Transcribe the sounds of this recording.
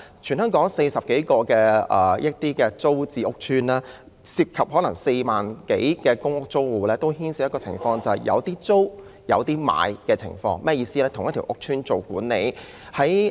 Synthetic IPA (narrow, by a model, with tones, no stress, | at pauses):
t͡ʃʰyː˨˩nhœː˥ŋkɔː˨˥ŋse˧jsɐ˨p̚ke˨˥jkɔː˧kɛː˧ʔɐː˨˩jɐ˥t̚t̪iː˥kɛː˧t͡so˥wt͡siː˨˧ʊ˥k̚t͡ʃʰyː˥nlaː˥ | siː˧p̚kʰɐ˨p̚hɔː˨˥lɐ˨˩ŋse˧jmaː˨˩nke˨˥jkɛː˧kʊ˥ŋʊ˥k̚t͡so˥wwuː˨lɛː˥t̪o˥whiː˥nsiː˨˧˥jɐ˥kɔː˧t͡sʰɪ̰˨˩ŋfɔː˧ŋt͡sɐ˨hɐ˨˩jʔɐ̰˨˧wt̪iː˥t͡so˥w | jɐ̰˨˧wt̪iː˥ma̰ː˨˧jkɛː˧t͡sʰɪ̰˨˩ŋfɔ̰ː˧ŋmɛː˥jiː˧siː˥lɛː˥t̪ʰʊ˨˩ŋjɐ˥t̪ʰi˨˩ʔʊ˥k̚t͡ʃʰyː˥nt͡so˨wkuː˨˥nːe˨˧˥j | hɐ˨˥j